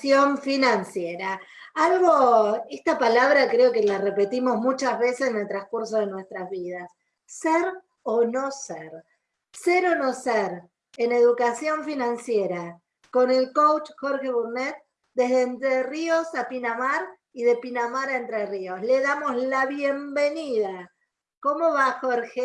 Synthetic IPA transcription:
jo̞ɱfinansjeɾa | alɣoest̪apalaβ̞ɾakɾeo̞ke̞larepe̞t̪imo̞zmut͡ʃazβe̞sesene̞lt̪ɾaŋskuɾso̞ð̞e̞nwe̞st̪ɾazβið̞as | seɾ | ono̞seɾ | seɾo̞no̞seɾ | ene̞ðukasjo̞ɱfinãnsjeɾa | ko̞ne̞lkowt͡ʃxoɾxe̞βuɾnet̪̚ | d̪e̞ɦðeːnt̪ɾerio̞sapinamaɾ | iðe̞pinamaɾaent̪ɾerio̞sle̞ðamo̞slaβje̞mbe̞niða | ko̞mo̞βaxoɾxe

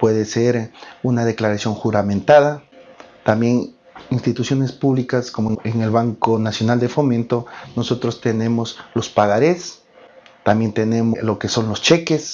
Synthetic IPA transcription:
pwe̞ðeseɾunaðe̞klaɾasjo̞ŋxuɾamẽnt̪aðat̪ambje̞ŋ | inst̪it̪usjo̞ne̞spuβlikaskomoeŋelβaŋkonasjonald̪efo̞mẽnt̪onoso̞t̪ɾost̪enẽ̞moslospaɣaɾes | t̪ambje̞nt̪ene̞molokeso̞nlo̞st͡ʃekes

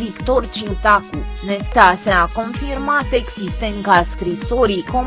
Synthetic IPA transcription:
vikt̪ort͡ʃit̪akunest̪aseako̞nfirmat̪eksist̪eŋkaskɾisoɾiko

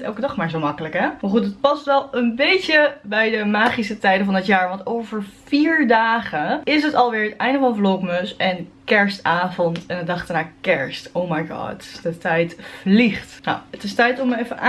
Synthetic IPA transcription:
ɛ̰lˠkədɑχmaːɹzowmɑkələkɦɛmaːɹχutət̚pɑstʋɛlˠənbejcəbɛjdəmaːχisətɛjdəvɔndɪtjaːɹʋɑntowvəɹfiːɹdaːχəɪs̬ɦətɑlˠʋɪːɹɦətɛjndəvɑnvlowkmøsɛnkɛɹstaːvɔntɛnədɑχtənaːkɛɹstowmajɡɑ̰tɪsdətɛjtfliχtna̰wətɪstɛjtɔməɛfənʔa

